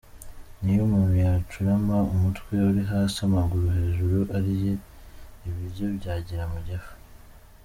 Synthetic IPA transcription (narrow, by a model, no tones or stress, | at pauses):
nijumanujat͡ʃuɾamaumutwe̞uɾiɦaːsamaɡuɾuhe̞ʒuɾuʔaɾije | iβiɾjo̞bɟaːɟiɾamuɟafu̥